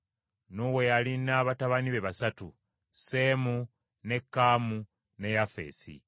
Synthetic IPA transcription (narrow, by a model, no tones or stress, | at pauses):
nowe̞jalinaːβataβaniβe̞βasatṵ | se̞mu | ne̞kːaːmu | ne̞jafe̞̰ːsḭ